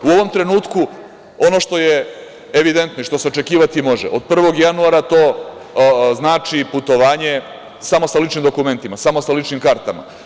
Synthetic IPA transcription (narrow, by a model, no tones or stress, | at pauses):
uo̞ʋo̞mt̪ɾe̞nuːt̪ku | o̞no̞ʂt̪o̞je | eʋid̪e̞nt̪noiʃt̪o̞seo̞t͡ʃe̞kiːʋat̪imo̞ʒḛʔod̪̚pr̩ʋo̞ɡjanuaːɾat̪o̞ː | znaːt͡ʂiput̪o̞ʋaːɲe̞ | samo̞salit͡ʃnimd̪o̞kume̞nt̪imasamo̞salit͡ʂnimkaɾt̪ama̰